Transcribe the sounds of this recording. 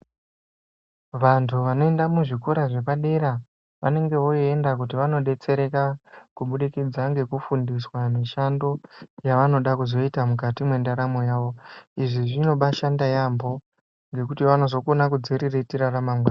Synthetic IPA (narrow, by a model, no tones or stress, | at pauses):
ʋantʰuʋano̞e̞ndamuʐikoɾaʐe̞paɗe̞ɾa | ʋane̞ŋɡe̞ʋo̞iendak̬utiʋano̞ɗe̞t͡se̞ɾe̞kakuɓuɗikid͡zaŋɡe̞kufundiswamiʃando̞jaʋano̞ɗakuzo̞itamukatimwendaɾamo̞jaːʋo̞iʐiʐino̞ɓaʃandajambo̞ | ŋɡe̞k̬utiʋano̞zo̞konakud͡ziɾiretiɾaramamɡwaːn